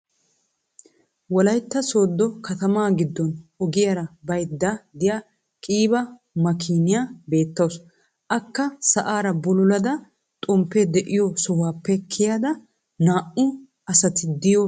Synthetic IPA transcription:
wɔlɐjt̪ːɐsoːd̪ːɔkɐt̪ɐmaːɡɪd̪ːɔnɔɡɪjɐɾɐbɐjd̪ːad̪ɪja | kʼiːbɐ | mɐkʰiːnɪjabe̞ːt̪ːɐws | ʔɐkːɐsɐʔaːɾɐbɔlʊlɐd̪ɐ | t̪ʼʊmpːɛd̪ɛʔɪjɔsɔwaːpːɛkʰːɪjaːd̪ɐ | naːʔʊ | ɐsɐt̪ɪd̪ɪjɔ

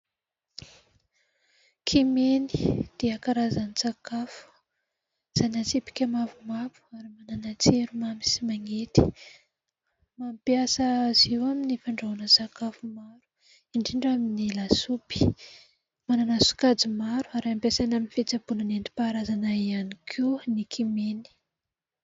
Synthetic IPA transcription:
kʰimenid̪̥iakaɾazanisakafu̥ | z̥anasipi̥kʲamavumavu̥aɾimananat͡seɾumamisimaŋet̪i̥ | mampjasəziwaminifaɳɖ͡ʐaɦanəsakafumaɾu̥ | iɳɖ͡ʐiɳɖ͡ʐaminilasupi̥ | mananasu̥kad͡zimaɾuaɾaampesanaminifet͡sabunanenɖ͡ʐ̪i̥paɾazanaianikʰenikʰimeni̥

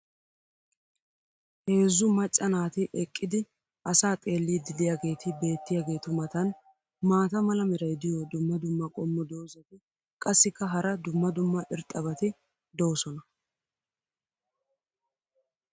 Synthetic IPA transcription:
he̞ːzːʊmɐt͡ʃʼːɐnaːt̪ɪʔɛkʼːɪd̪ɪ | ʔɐsaːt̪ʼe̞ːlːiːd̪ɪd̪ɪjaɡe̞ːt̪ɪbe̞ːt̪ːɪjaːɡe̞ːt̪ʊmɐt̪ɐn | maːt̪ɐmɐlɐmɛɾɐjd̪ɪjɔd̪ʊmːɐd̪ʊmːɐkʼɔmːɔd̪o̞ːzɐt̪ɪ | kʼɐsːɪkːɐɦɐɾɐd̪ʊmːɐd̪ʊmːɐʔɪɾt̪ʼɐbɐt̪ɪ | d̪oːsɔnɐ

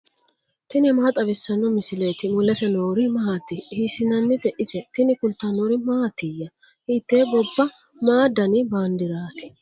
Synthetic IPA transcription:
t̪ɪnɪmɐhɐt̪ʼɐβɪsːɐnːɔmɪsɪle̞ːt̪ɪmʊlɛsɛnoːɾɪmɐɦat̪ːɪhisɪnɐnːɪd̪ɛʔɪsɛt̪ɪnɪkʊlt̪ːanoɾɪmaːat̪ːɪjːɐ | hit̪ːeːbɔbːɐmaːd̪ɐnɪbaːnd̪ɪɾaːt̪ɪ̥

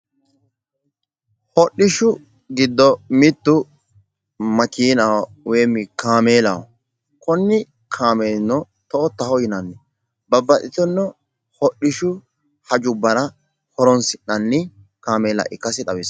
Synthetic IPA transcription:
hɔɗɪʃʊ | ɡɪd̪ːɔmɪt̪ːʊ | mɐkiːnaw | weːmːɪkaːmeːlɐw | kɔnːɪ | kʰaːmeːnːɔ | t̪ɔɔt̪ːɐhɔjɪnɐnːɛ | bɐbːɐtɪt̪ɔnːɔ | hɔɗɪʃʊ | hɐd͡ʒʊbːɐɾɐ | hɔɾɔnsɪnɐnːɪ | kaːmeːlɐ̰ʔɪkːɐsɪᶑɐwɪs

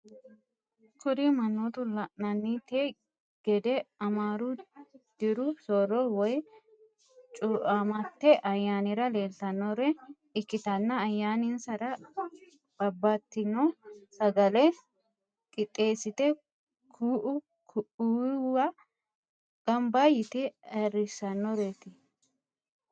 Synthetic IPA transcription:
kʊd̪imɐnːoːt̪ʊlɐʔnɐnːit̪eː | ɡ̥ɛd̪ɛɐmaːɾud̪̥ɪɾʊsɔɾɔwɔj | t͡ʃʼʊʔamɐt̪ːɛʔɐjːaːnɪɾɐle̞ːlt̪ɐnːɔɾɛ | ɪkːɪt̪ɐnːɐːjːaːnɪnsɐɾɐ | b̥ɐbːaːt̪ːɪnɔsɐɡɐlɛ | kʼɪt̪ʼːe̞ːsːɪt̪ɛ | kʰuːʔʊ | kuwɐ | ɡ̥ɐmbaːjɪt̪ɛɛrɪsɐnːɔɾet̪ɪ

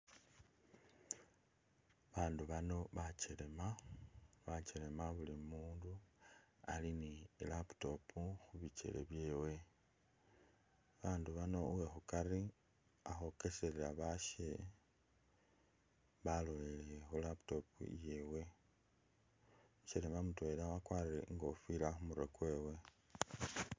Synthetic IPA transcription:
βaːnduβano̞βat͡ʃele̞ma | βat͡ʃele̞maβulimuːndu | a̰linilapto̞pʰuxuβit͡ʃe̞̰le̞̰βje̞ːwe̞ | βaːnduβano̞uwe̞xukari | axo̞ke̞seɾeɾaβaʃe | βalo̞jelexulapto̞pṵje̞we̞ | ut͡ʃele̞mamutwelawakwariɾḛŋɡofilaxumuɾe̞̰kwe̞ːwe̞

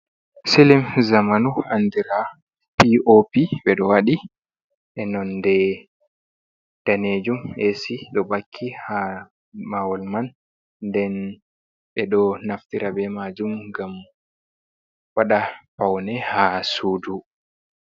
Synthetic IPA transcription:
silimzamanuandiɾa | piʔopiɓɛɗɔwaɗi | ʔɛnɔndɛ | d̥aneːd͡ʒumesiɗɔbakʰːiha | mawɔlmanː | dɛn | ɓɛɗɔnaftiɾabɛmad͡ʒumɡam | waɗapawnɛhasuːdu

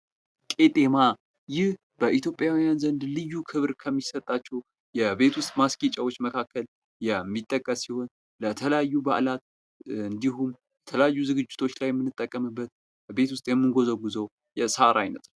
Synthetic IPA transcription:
kʼe̞t̪ʼema | jɪh | b̥əʔit̪jo̞pʼːjawijanzənd̪lɨjːukʰɨβɾkʰəmːisət̪ʼːat͡ʃːɛw | jɛbe̞t̪ʰwʊst̪ʼmaskʼit͡ʃʼawo̞t͡ʃːməkʰakʰːəl | jɛmːit̪ʼːəkʼːəsːiho̞n | lət̪ʰələjajːuba̰ʔlat̪ | ɨnd̪iɦum | jɛt̪ʰələjajːuzɨɡɨd͡ʒːɪt̪ʰo̞t͡ʃːlajɛmːɨnːɨt̪ʼːəkʼːəmɨbːət̪ | be̞t̪wʊst̪ʼjɛmːɨnɡo̞zəɡuzəw | jɛsaɾajnət̪n

